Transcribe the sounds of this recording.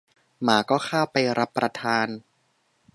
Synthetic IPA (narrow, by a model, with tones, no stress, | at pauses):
maː˩˦kɔː˥˩xʰaː˥˩pa˧jɾʔa˦˥pːɾa˧t̪ʰaː˧n